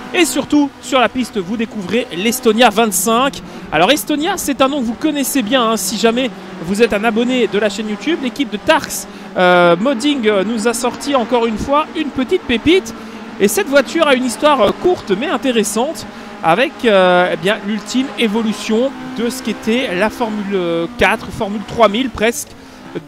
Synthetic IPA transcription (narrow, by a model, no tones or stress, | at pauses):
esyʁt̪usyʁlapist̪vud̪ekuvʁelɛst̪ɔnjavɛ̃t̪sɛ̃k | alɔʁɛst̪ɔnjasɛt̪ɛ̃nɔ̃kəvukɔnɛsebjɛ̃ɛ̃siʒamɛ | vuzɛt̪ɛ̃nabɔned̪əlaʃɛnjut̪yblekʲip̚d̪ət̪aʁks | ømɔd̪iŋɡnuzasɔʁt̪iɑ̃kɔʁynfwaynpət̪it̪̚pepit̪ | esɛt̪vwat̪yʁaynist̪waʁkuʁt̪mɛɛ̃t̪eʁesɑ̃t̪ | a̰vɛkøebjɛ̃lylt̪ʰimevɔlysjɔ̃d̪əsə̥ket̪ɛlafɔʁmylkʲat̪χfɔʁmylt̪χwamilpχɛsk